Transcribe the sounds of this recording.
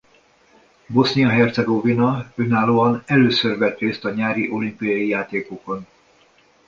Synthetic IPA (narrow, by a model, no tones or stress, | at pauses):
bo̞snijɒɦɛrt̪sɛɡovinɒønaːloːɒnɛløːsørvɛt̪reːst̪ɒɲaːɾiʔo̞limpijɒjijaːt̪eːkoko̞n